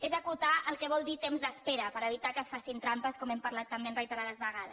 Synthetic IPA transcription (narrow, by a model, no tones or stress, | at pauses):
ezəkut̪aʔəlˠkɛβ̞ɔlˠd̪it̪emzðəspeɾəpəɾəβit̪akəːsfasint̪ɾampəskɔmɛmpəɾlat̪ːəmbenrəjt̪əɾaləzβəɣaðəs